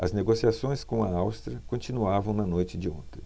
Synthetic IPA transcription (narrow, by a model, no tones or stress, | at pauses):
ɐzneɡosiasõj̃skõɐawst̪ɾɐkõt͡ʃĩnuavɐ̃w̃nɐnojt͡ʃɪd͡ʒɪõ̰ñt̪ẽj̃